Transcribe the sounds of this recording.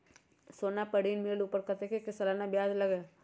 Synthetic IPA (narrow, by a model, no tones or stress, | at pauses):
soːnapəɽiːnmeːluːpəɾkɐt̪ekekɪsəlanabjaːd͡ʒlɐɡeː